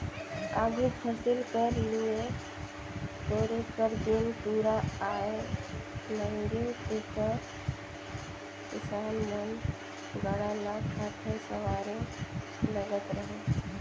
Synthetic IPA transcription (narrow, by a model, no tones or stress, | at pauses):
aːɡepʰasɪlkəɾlie | toːɾekəɾd̪ɪnpuːɾaaːe | nəɾet̪eːkə | kɪsaːnmən | ɡəɽalakʰaːt̪ʰesəʋaːɾe | ləɡət̪ɾəɦe